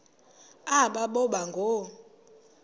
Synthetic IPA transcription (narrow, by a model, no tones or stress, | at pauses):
aɓaɓɔɓaŋɡʱo